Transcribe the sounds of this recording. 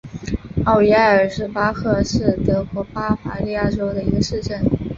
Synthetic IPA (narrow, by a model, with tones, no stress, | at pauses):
ɑ˥˩ʊi˧˥a˥˩ə˞˨˩ʂɻ̩˥˩pa˥kʰɤ˥˧ʂɻ̩˥˩t̪ɤ˧˥kwɔ˧˥pa˥fa̰˧˥li˥˧ja˥˩ʈ͡ʂo˥ʊd̪ə˨i˧˥ɡə˧ʂɻ̩˥˧ʈ͡ʂə˥˩n